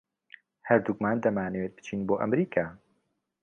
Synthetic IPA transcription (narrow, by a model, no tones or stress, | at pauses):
hɐɾd̪uɡmaːnd̪ɐmaːnɛweːt̪̚bɨt͡ʃʰiːnboːʔɐ̰mɾiːkʰaː